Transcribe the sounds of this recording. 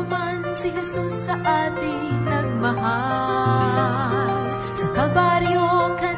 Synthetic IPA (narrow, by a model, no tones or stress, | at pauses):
ʊmɐnsɪɦɛsusːɐʔaːt̪ɪ | nɐŋmɐɦa | l | sɐkɐbaɾjokɐ